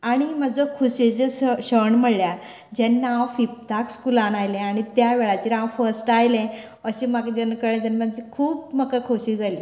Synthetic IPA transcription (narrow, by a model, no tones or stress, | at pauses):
aɽ̃imad͡zɔkʰuɕed͡zeɕəɳm̤əɭlja | d͡ʑɛnːawfip̚t̪akskulanajlɛ̃aɽ̃it̪jaʋeɭat͡ɕiɾãwfəɾsʈajlɛ̃ | əɕĩmakd͡ʑənkəɽẽt̪anmad͡ʑikʰuːpməkakʰoɕiːd͡zaliː